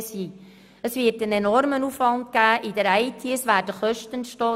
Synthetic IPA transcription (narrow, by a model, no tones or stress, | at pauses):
siː | əsʋɪːtənenɔrmənufʋɑndɡæːʔid̪əɾæɪtʰiəsʋæːɾd̥əχœʃtənʃtɔː